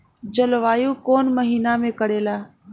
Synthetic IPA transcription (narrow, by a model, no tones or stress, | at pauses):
d͡ʒəlʋaːjũkoːnməɦiːnamẽkəɽeːlaː